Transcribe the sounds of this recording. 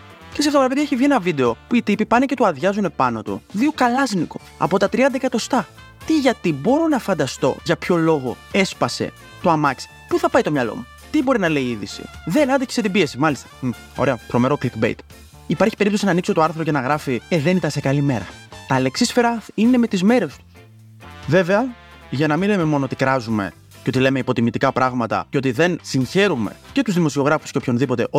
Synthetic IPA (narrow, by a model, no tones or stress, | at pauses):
ceseɐft̪ɐpɾɐpeðjʝɐeçivʝie̞nɐvid̪e̞o̞puit̪ipipɐnece̞t̪uɐðʝɐzune̞pɐno̞t̪ṵðiokɐlɐzniko | ɐ̰po̞t̪ɐt̪ɾiɐnd̪ɐekɐt̪o̞st̪ɐ | t̪iʝɐt̪ibo̞ɾo̞nɐfɐnd̪ɐst̪o̞̰ʝɐpço̞lo̞ɣo̞̰e̞spɐse̞̰ | t̪oɐmɐksi̥ | puθɐpɐjt̪o̞mɲɐlo̞̰mu | t̪ibo̞ɾinɐle̞iiðḭsḭðenɐd̪ɐçe̥set̪ibie̞simɐlist̪ɐ̥ | o̞̰ɾeɐt̪ɾo̞me̞ɾo̞klikbejt̪ | ipɐɾçipe̞ɾipt̪o̞sinɐːnikso̞t̪o̞ɐɾθɾo̞cenɐɣɾɐfieðe̞nit̪ɐnse̞kɐlime̞ɾɐ̰t̪ɐle̞ksisfe̞ɾɐine̞me̞t̪izme̞ɾe̞st̪u̥s | ve̞ve̞ɐ | ʝɐnɐminleme̞mo̞noot̪ikɾɐzume̞̰ | ceo̞t̪ile̞me̞ipo̞t̪imit̪ikɐpɾɐɣmɐt̪ɐ̰ceo̞t̪iðe̞nsinçe̞ɾume̞̰ce̞t̪uzðimo̞sio̞ɣɾɐfusceo̞pʰço̞nðipo̞t̪e̞ʔo